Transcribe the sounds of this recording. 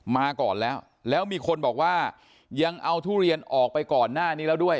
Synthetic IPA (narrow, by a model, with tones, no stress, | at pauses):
maː˧kɔː˨˩nlɛː˦˥w | lɛː˦˥wmiː˧kʰo˧nbɔː˨˩k̚waː˥˩ | ja˧ŋʔa˧wt̪ʰuː˥˩ɾi˧ənʔɔː˨˩k̚pa˧jkɔː˨˩nːaː˥˩niː˦˥lɛː˦˥du˥˩əj